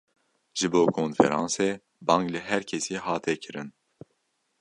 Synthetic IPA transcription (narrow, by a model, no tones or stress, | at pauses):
ʒ̥ɨboːkʰoːnfɛ̰ɾɑ̰̃ːnseː | bɑːŋklɨɦɛɾkʰɛsiːɦɑːt̪ʰɛkʰɨɾɨn